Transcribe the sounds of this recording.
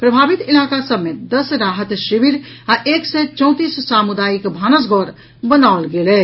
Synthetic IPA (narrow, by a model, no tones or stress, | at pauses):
pɾəbʱabit̪ilakasəbmed̪əsɾaɦət̪ʃibiɾ | aʔeksɛt͡ʃɔ̃ʊ̃t̪isːamud̪ajikbʱanəs̬ɡʱɔɾ | bənaolɡelɛ